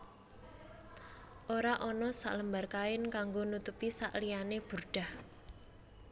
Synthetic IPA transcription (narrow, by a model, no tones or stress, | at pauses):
ʔoɾaʔɔnɔsa̰ʔləmbarkaɪnkaŋɡonut̪upisa̰ʔlijaneb̥urɖ̥a̤h